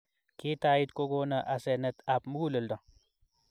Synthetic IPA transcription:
ki˦taː˦ji˦t̪ko˦ɡo˦na˨ʔa˨se˨nə˨t̪a˨pmu˦ɡu˦lə˨lda˨

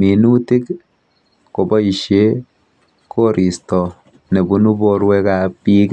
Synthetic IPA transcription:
mi˨nu˦ti˦k | ko˨bɔ˦i˨ʃe˦ | kʰo˦ɾʔi˨stɔ˨ | ne˨bu˦nu˦bo˦ɾwɛ˦ka˨pi˦k

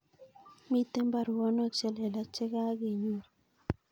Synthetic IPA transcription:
mi˦t̪e˦mba˨ɾwɔ˦nɔ˦˨kt͡ʃɛ˦le˨la˨t͡ʃɪ˦ɡa˦ɡi˨ɲu˦˨

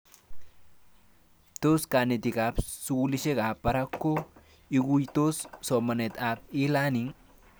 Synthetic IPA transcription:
t̪o˦skaː˨ne˨t̪ɪ˨kʼa˨˦bsulɪʃe˦kʼaː˨bːɐ˨ɾɐ˦kːo˦ | ɪ˦ɡu˦jt̪o˦sso˨mɐ˨ne˨t̪aː˨bi˦laː˦ni˦ŋ

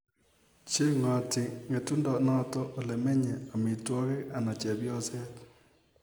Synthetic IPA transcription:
t͡ʃe˦ŋɔ˨ti˨ŋe˨tu˦ndɔ˨nɔ˦tɔ˦ʔo˨le˨me˦ɲe˨a˨mi˨twɔ˦ke˦a˨na˨t͡ʃɛ˨bjɔ˦sɛ˦t

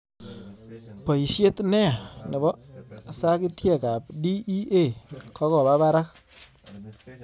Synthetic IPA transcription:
pɔ˨i˨sje˦tnɛ˦˨ni˨bɔ˦˨sa˦ki˦tʰjɛ˦˨ka˨p̚di˦i˦e˦˨kʰɔ˦kɔ˨ba˦ba˦ɾa˦k̚

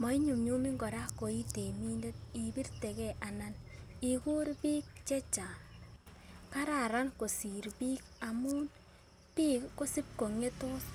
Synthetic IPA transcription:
mɔ˨i˦ɲu˨mɲu˦mi˦ŋɡɔ˨ɾa˦ko˨i˦te˨mi˦nde˦t̚i˨bi˦ɾte˨kɛ˦ʔa˨na˦ni˨ku˦ɾbi˦k̚t͡ʃe˦t͡ʃa˨ | ka˦ɾa˨ɾa˦nko˨si˨ɾbi˦ka˨mu˦n | pi˦kko˦si˦p̚ko˨ŋe˦to˦

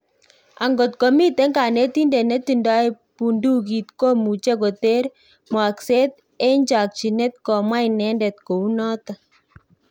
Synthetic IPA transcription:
a̰˨ŋɡo˨tko˨mi˦t̪e˨˦ŋɡa˨ne˦ti˦ndɛ˨nɛ˦t̪i˨nda˦j | pu˨ndu˦ki˨t̪ko˦mu˨t͡ʃe˦ko˨te˦ɾ | mwa˨kse˦t̪̚ | e˦ɲd͡ʒa˨k̚t͡ʃi˨nɛ˦t̪̚kɔ˨mwa˦inɛ˦ndɛ˨t̪̚ko˨u˦nɔ˦t̪a˨

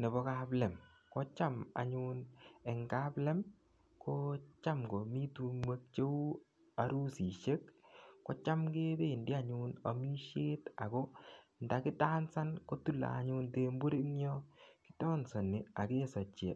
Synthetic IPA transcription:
ne˨bɔ˨˦ka˦plɛ˨m | kɔ˦t͡ʃa˦ma̰˨ɲune˨ŋɡa˦plɛ˦m | ko˦t͡ʃa˦mɡo˨mi˦tu˦mwe˦k̚t͡ʃe˦u˦ | a˨ɾu˦si˨ʃe˦kːɔ˦t͡ʃa˦mke˦te˦˨ndi˦a˨ɲuna˨mi˦ʃe˦ta˨kɔ˦nda˨kɪ˦taː˦nsa˦nko˦tu˦la̰˨a˨ɲʊ˧nte˦mbu˦ɾi˦ɲɔ˦ki̥˦tɔ˦nsɔ˨nɪ˨a˨ke˦sɔ˨t͡ʃḛ˨

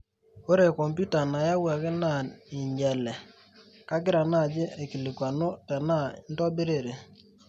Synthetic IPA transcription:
o˦ɾe˨kɔ˨mpju˦ta˨na˨ja˦wa˨kɪ˦na˨ɪ˨ɲd͡ʒɛ˨lɛ˨ | ka˦ɡɪ˦ɾa˨na˦˨d͡ʒɪ˦e˨kɪ˨lɪ˨kwa˨no˦tɛ˨na˦˨˦n˦tɔ˦bi˦ɾe˦˨ɾe˨

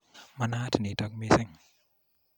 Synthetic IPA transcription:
ma˧naː˧tʰi˨ni˨ta˨k̚mi˧se˦ŋ

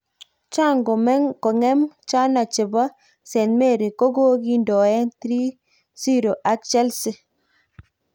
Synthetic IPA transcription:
t͡ʃa˦˨ŋɡo˨mɛ˦ŋko˨ŋɛ˦mt͡ʃa˦na˨t͡ʃe˨bɔ˦ | sɛ˨nme˦˨ɾi˨ko˦ɡo˦ɡi˦ndɔ˨ɛ˦nt̪ɾi˦ | si˦ɾo˨ʔa˨˦k̚t͡ʃɛ˦lsɪ˦

